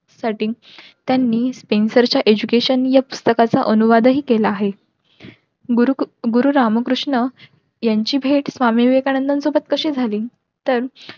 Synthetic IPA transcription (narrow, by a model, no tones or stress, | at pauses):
saʈiː | t̪janːiːspensəɾt͡ɕjaʔed͡ʑukeɕənjapust̪əkat͡saʔənuʋad̪ɦiːkelaːɦe | ɡuɾuɾaməkɾuʂɳə | jaɲt͡ɕiːbʱeʈsʋamiʋekañənd̪ənsobət̪kəɕiːd͡zʱaliː | t̪əɾ